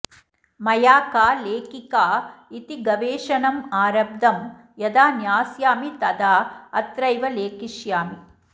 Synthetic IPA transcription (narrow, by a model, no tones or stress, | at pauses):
mɐjaːkaːleːkikaːit̪iɡɐʋeːʂɐnɐmaːɾɐb̚d̪ʱɐm | jɐd̪aːnjaːsjaːmit̪ɐd̪aːɐt̪ɾɐjʋɐleːkiʃjaːmi